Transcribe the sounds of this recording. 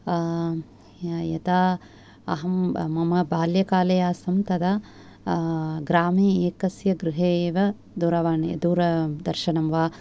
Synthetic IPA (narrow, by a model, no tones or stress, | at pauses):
jɐ̰t̪aː | ɐ̰ɦɐmmɐmɐbaːljɐkaːlɐjaːsɐmt̪ɐd̪a | ɡɾaːmiːeːkɐsjɐɡɾuɦeːʋɐ | d̪uɾɐʋaːɳjɐ̰d̪uːɾɐd̪ɐɾʃɐnɐmʋaː